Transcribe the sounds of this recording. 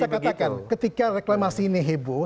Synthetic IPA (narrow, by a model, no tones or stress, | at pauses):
akat̪akankət̪ikareklamasineɦebo